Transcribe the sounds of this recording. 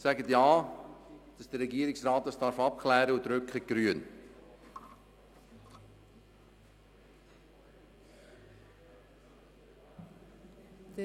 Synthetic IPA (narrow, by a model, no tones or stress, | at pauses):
sæɡətjɑː | d̥ɑsd̥əɾɛɡiːɾɪksraːt̚dɑsd̥ɑɾfɑp̚kʰlɛːɾəudɾʏkχəɡ̥ɾyːən